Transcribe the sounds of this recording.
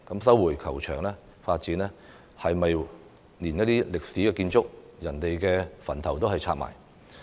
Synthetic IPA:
kɐ˨˥msɐ˨˥wːuː˨˩jkʰɐ˨˩wt͡ʃʰœː˨˩ŋlɛː˥ | faː˧t̚t͡siː˨˥nlɛː˥ | hɐ˨jmɐ˨j | niː˨˩njɐ˥t̚t̪iː˥lɪ˨k̚siː˨˥kɛː˧kiː˧nt͡sʊ˥k̚jɐ˨˩nt̪e˨jkɛː˧fɐ˨˩nt̪ʰɐ˨˩wt̪o˥wɦɐ˨jt͡sʰaː˧t̚ma̰ː˨˩j

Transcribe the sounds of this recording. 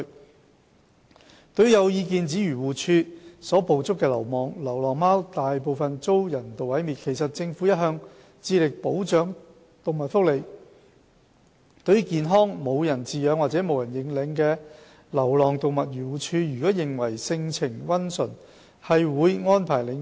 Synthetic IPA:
t̪ɵ˨˧˥ɥjɐ˨˧wjiː˧k̬iː˨nt͡siː˨˥ɥyː˨˩wuː˨t͡ʃʰyː˧sɔː˨˥po˨˧wt͡sʊ˥kːɛː˧lɐ̰˨˩wmɔː˨ŋlɐ˨˩wlɔː˨˩ŋmaː˥wt̪aː˨jp̬o˨˧wfɐ˨nt͡so˥wjɐ˨˩nt̪o˨wɐ˨˥jmiː˨t̚kʰe˨˩jsɐ˨t̚t͡sɪ˧ŋfu˨˥jɐ˥t̚ɦœː˧ŋ | t͡siː˧lɪ˨k̚po˨˥wt͡ʃœː˨˥ŋ | t̪o˨wmɐ˨t̚fʊ˥k̚le˨˩j | t̪ɵ˨˥ɥkiː˨nɦɔː˥ŋmo˨˧wjɐ˨˩nt͡siː˨˧jœː˨˥ŋwaː˨t̚t͡sɛː˨˥mo˨˧wjɐ˨˩njɪ˨˥ŋlɪ˨˥ŋkɛː˧ | lɐ˨˩wlɔː˨˩ŋt̪o˨wmɐ˨t̚jyː˨˩wuː˨˩t͡ʃʰyː˧jyː˨˩kɔː˨˥jɪ˨˩ŋwɐ˨˩jsɪ˧ŋt͡sʰɪ˨˩ŋwɐ˥nsɵ˨˩n | hɐ˨jwuː˨˧jŋɔː˥npʰaː˨˩jlɪ˨˧ŋ

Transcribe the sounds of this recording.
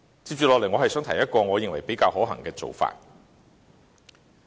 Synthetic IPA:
t͡siː˧p̚t͡ʃyː˨lɔ˨kle˨˩jŋɔː˨˧hɐ˨jsœː˨˥ŋt̪ʰɐ˨˩jɐ˥t̚kɔː˧ŋɔː˨˧jɪ˨ŋwɐ˨˩jpe˨˥jkaː˧wɦɔː˨˥ɦɐ̰˨˩ŋkɛː˧t͡so̰˨wfa̰ː˧t̚

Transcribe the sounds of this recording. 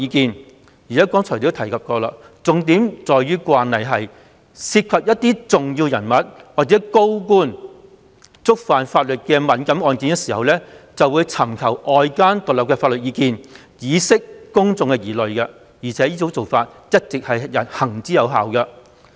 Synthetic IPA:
jiː˨˧kiː˨˧n | iː˨˩ɛ˨˥kɔː˨˥ŋt͡sʰɔ˨˩t̪i˨˥t̪ʰɐ˨˩jkʰɐ˨p̚kɔː˧la̰ː˧ | t͡sʊ˨ŋt̪iː˨˥mt͡sɔː˨jɥyː˥kwaː˧nːɐ˨˩jɦɐ˨j | siː˧t̚kʰɐ˨p̚jɐ˥t̚t̪ːiː˥t͡sʊ˨ŋjiː˧wjɐ˨˩nmɐ˨t̚waː˨˩k̚t͡sɛː˨˥ko˥wk̬uː˥n | t͡sʊ˥k̚faː˨nfaː˧t̚lɵ˨t̚kɛː˧mɐ˨˥nkɐ˨˥mɔː˧nki˨˧nkɛ˧siː˨˩hɐ˨wlɛ˥t͡sɐ˨wuː˨˧jt͡sʰɐ˨˩mkʰɐ˨˩wʔɔː˧jkaː˥nt̪ʊ˨lɐ˨p̚kɛː˧faː˧t̚lɵ˨t̚jiː˧kiː˨n | jiː˨˧˥sɪ˥k̚ːʊ˥ŋt͡sʊ˨˧ŋkɛ˧jiː˨˩lɵ˨ɥkɐ˧ | jiː˨˩t͡sʰɛː˨˥jiː˥t͡so˨˧˥wt͡so˨wfaː˧t̚ | jɐ˥t̚t͡sɪ˨k̚hɐ˨jjɐ˨˩nhɐ˨˩ŋt͡siː˨˥jɐ˨˧wɦaː˨wkɐ˧

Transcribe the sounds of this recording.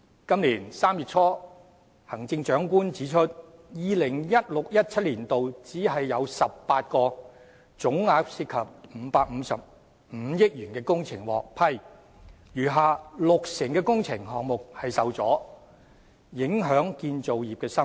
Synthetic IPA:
kɐ˥mliː˨˩nsaː˥mjyː˨˩t͡sʰɔː˥ | hɐ˨˩ŋt͡sɪ˧ŋt͡ʃœː˨˥ŋkuː˥nt͡siː˨˥t͡ʃʰɵ˥t̚jiː˨lɪ˨˩ŋjɐ˥t̚lʊ˨k̚jɐ˥t̚t͡sʰɐ˥t̚liː˨˩nt̪o˨wt͡siː˨˥ɦɐ˨jːɐ˨˧wsɐ˨p̚paː˧t̚kɔː˧ | t͡sʊ˨˥ŋŋaː˨˧k̚siː˧t̚kʰɐ˨p̚m̩˨˧paː˧k̚m̩ː˨˧sɐ˨p̚ | m̩˨˧˥jɪ˥k̚jyː˨˩nkɛː˧kʊ˥ŋt͡sʰɪ˨˩ŋwɔ̰ː˨˩k̚pʰɐ˧j | jyː˨˩ɦaː˨˧lʊ˨k̚sɪ˨˩ŋkɛː˧kʊ˥ŋt͡sʰɪ˨˩ŋɦɔː˨ŋ̚mʊ˨k̚hɐ˨jsɐ˨wt͡sɔː˨˥ | jɪ˨˥ŋɦœː˨˥ŋkiː˧nt͡so˨wjiː˨p̚kɛː˧sɐ˥m

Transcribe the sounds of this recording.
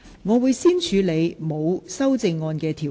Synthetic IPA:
ŋɔː˨˧wu˨˧jsiː˥nt͡ʃʰyː˨˧le˨˧jmo˨˧wsɐ˥wt͡sɪ˧ŋːɔː˧nkɛː˧t̪ʰiː˨˩

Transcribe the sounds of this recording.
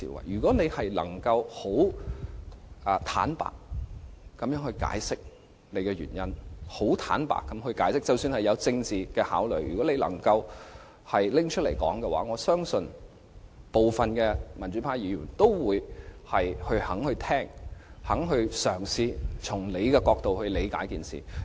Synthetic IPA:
ḭː˧˥wɐ̰˨˩jjyː˨˩kɔː˨˥ne˨˧jhɐ˨jlɐ̰˨˩ŋkɐ˧who˨˥w | ʔɐ˨t̪ʰa̰ː˨˥npa̰ː˨kː | ɐ˨˥mjœː˧˥ŋhɵ˧ɥka̰ː˨˥jsɪ˥k̚ | ne˨˧jkɛː˧ɥy̰ː˨˩njɐ˥nho˨˥wt̪ʰa̰ː˨˥npa̰ː˨kːɐ˨˥mhɵ˧ɥkaː˨˥jsɪ˥k̚t͡sɐ˨wsyː˧nhɐ˨jɐ˨˧wt͡sɪ˧ŋt͡siː˨kɛː˧haː˨˥wlɵ˨˩jjyː˨˩kɔː˨˥ne˨˧jlɐ̰˨˩ŋkɐ˧w | hɐ˨jlɪ˥ŋt͡ʃʰɵ˥t̚le˨˩jkɔ̰ː˨˥ŋkɛ˧wa̰ː˨˥ŋɔː˨˧sœː˥ŋsɵ˨˧n | po˨˩wfɐ˨nkɛː˧mɐ˨˩nt͡ʃyː˨˥pʰaː˧˥jiː˨˧ɥyː˨˩nt̪o˥wwuː˨˧jhɐ˨jhɵ˧ɥhɐ˨˥ŋhɵ˧ɥt̪ʰɛː˥ŋhɐ˨˥ŋɦɵ˧ɥsœː˨˩ŋsiː˧t͡sʰʊ˨˩ŋle˨˧jkɛː˧kɔː˧k̚t̪o˨whɵ˧ɥle˨˧jkaː˨˥jkiː˨nsḭː˨

